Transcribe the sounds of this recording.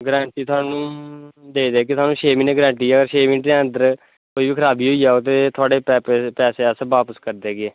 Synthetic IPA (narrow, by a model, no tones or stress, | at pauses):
ɡəɾɛ̃ːɳʈiːt̪ʰʊaːnũːd̪eːd̪eːkɪt̪ʰʊaːnũːʃʰeːmineːɡəɾɛ̃ːɳʈiːɛːəɡəɾʃʰeːminʈẽːə̃nd̪əɾ | koːiːʋiːkʰəɾaːbiːɦoːiːaːoːt̪̬eːt̪ʰʊaːɖeːpɛːpɛːseːəsʋaːpəskəɾd̪eːɡeː